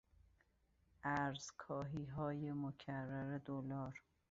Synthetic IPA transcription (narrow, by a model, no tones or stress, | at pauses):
ʔæɾz̥kʰɒːɦiːɦɒːjemocʰærːæɾed̪olɒːɾ